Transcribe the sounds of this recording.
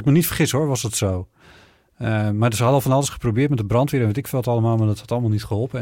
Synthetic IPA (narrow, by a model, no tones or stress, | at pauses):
ɪkmənitfərχɪshoɹʋɔsdɔtsoː | madsəhɑdəɔlˠfɔnɑlˠəsχə̥probɪːətmɛtdəbrɑntʋɪɾəɛnʋetɪkfltɑlˠəmaːlˠmadɔthɑtɑlˠəmalˠnitχəɦɔlˠpə